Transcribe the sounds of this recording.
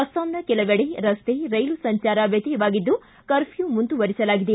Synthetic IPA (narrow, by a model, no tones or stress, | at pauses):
ɐst̪aːmnɐkɛlɐʋeɽeɾɐst̪eːɾɐjlusɐɲt͡ʃaːɾɐʋjɐt̪ijʋaːɡid̪ːu | kɐɾfʰjumunt̪uʋɐɾisɐlaːɡid̪e